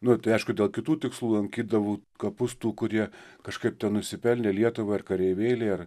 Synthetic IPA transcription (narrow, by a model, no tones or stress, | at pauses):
nʊt̪ɐɪɐɪʃkʊd̪ʲeːlˠkʲɪt̪uːt̪ʲɪkslˠuːlˠɐŋʲkʲiːd̪ɐʋuːkɐpʊst̪uːkʊɾʲiɛkɐʃkɐɪp̚t̪ʲɛnnʊʃʲsʲɪpʲɛlʲnʲeːlʲiɛt̪ʊʋɐːɪrkɐɾʲɛɪʋʲeːlʲeːɐr